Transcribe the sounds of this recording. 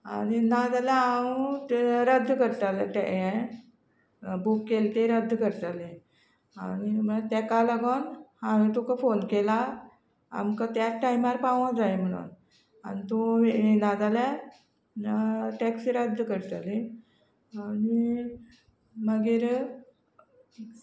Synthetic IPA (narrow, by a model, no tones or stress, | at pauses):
a̰ñinad͡zaljaauɾəd̪ʱːkəɾt̪alʈɛɛ̃ | bukːelt̪eɾəd̪ʱːkəɾt̪alẽ | añim̤əat̪ɛ̃kaləɡonãʋĩt̪ukafonkela | a̰mkat̪jaʈaimaɾpaʋɔ̃d͡zajm̤əɽ̃ṵn | anit̪oenad͡zalja | ʈɛksiɾəd̪ʱːkəɾt̪ale | ani | məɡiːɾ